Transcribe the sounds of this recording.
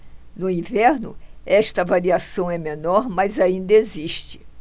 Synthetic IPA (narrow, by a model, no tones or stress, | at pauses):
nʊĩvɛɾnʊ̰ɛʃt̪ɐvaɾiasɐ̃w̃ɛmẽnɔɾmɐjzaĩnd̪ɐeziʃt͡ʃɪ̥